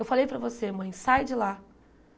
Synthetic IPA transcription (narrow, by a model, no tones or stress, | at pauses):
ewfalejpɾɐvosemɐ̃j̃sajd͡ʒɪla